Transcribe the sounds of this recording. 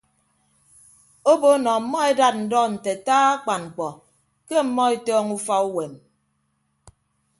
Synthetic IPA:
o˦bo˦nɔ˨m̩˨˦mːɔ˦e˦da˦t̚n̩˨dɔ˦n̩˨te˨taː˦a˦k͡pa˨nŋ͡m̩˨k͡pɔ˨ | ke˦m̩˦mːɔ˦e˦tɔː˦ŋu˦fa˦u˦we˨n

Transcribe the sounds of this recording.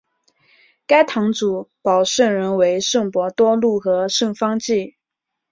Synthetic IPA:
ka˥ɪt̪ʰɑ˧˥ŋt͡su˨˩˦pɑ˨˩ʊʂə˥˩nɻə˧˥nwe˧˥ɪʂɤ˥˩ŋpwɔ˧˥t̪wɔ˥lu˥˩xɤ˧˥ʂɤ˥˩ŋfɑ˥ŋt͡ɕi˥˩

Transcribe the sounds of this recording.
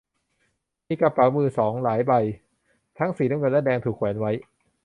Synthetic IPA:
miː˧ka˧pːɾa˩˦wmɯː˧sɔː˩˦ŋlaː˩˦jba˧j | t̪ʰa˦˥ŋsiː˨˩na˦˥˨ŋɤ˧nlɛ˦˥dɛː˧ŋt̪ʰuː˨˩kʰwɛː˩˦nwa˦˥j

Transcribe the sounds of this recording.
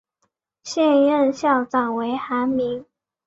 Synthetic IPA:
ɕjɛ˥˧nɻə˥˧nɕjɑ˥˩ʊt͡sɑ˨˩ŋwe˧˥ɪxa˧˥nmi˧˥ŋ

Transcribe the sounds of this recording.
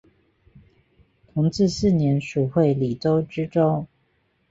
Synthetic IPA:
t̪ʰʊ˧˥ŋt͡sɹ̩˥˧sɹ̩˥˨njɛ˧˥nʂu˨˩xwe˥˨ɪli˨˩t͡so˦ʊʈ͡ʂɻ̩˥ʈ͡ʂo˥ŋ

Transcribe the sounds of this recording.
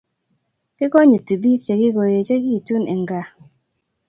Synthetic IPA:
kɪ˦kɔ˦ɲə˨ti˨bi˦kt͡ʃe˨ɡɪ˦ɡo˨je˨t͡ʃe˦ɡi˦˨tu˦nɛ˨ŋɡa˨

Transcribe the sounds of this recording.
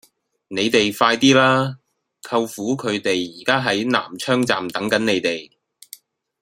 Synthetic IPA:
ne˨˧jt̪e˨jfaː˧jt̪iː˥laː˥ | kʰɐ˧wfuː˨˥kʰɵ˨˧ɥt̪e˨jːiː˨˩kaː˥ɦɐ˨˥jna̰ː˨˩mt͡ʃʰœː˥ŋt͡sa̰ː˨mt̪ɐ˨˥ŋkɐ˨˥nne˨˧jt̪e˨j

